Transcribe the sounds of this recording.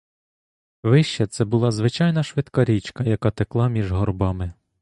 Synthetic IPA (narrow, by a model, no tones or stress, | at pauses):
ʋɪʃt͡ʃɛt̪sɛbʊlˠɑzʋɪt͡ʃɑjnɐʃʋɪt̪kɐɾʲit͡ʃkɐjɐkɑt̪eklˠɑmʲiʒɦɔrbɑmɪ